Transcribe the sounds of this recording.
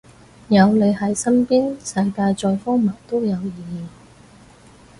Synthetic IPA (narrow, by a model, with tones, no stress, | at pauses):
jɐ˨˧wle˨˧jhɐ˨˥jsɐ˥npiː˥nsɐ˧jkaː˧jt͡ʃɔː˨˧jfɔː˥ŋmɐː˨˩ŋt̪o˥wjɐ˨˧wjiː˨